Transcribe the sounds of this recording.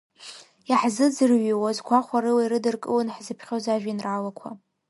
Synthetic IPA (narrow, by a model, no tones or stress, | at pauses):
jaħzɨzɨrɥiwazɡʷaχʷaɾɨwaiɾɨdɨrkʼɨlɨnħzɨpʰχʲozaʒᶣainraːlakʷʰa̰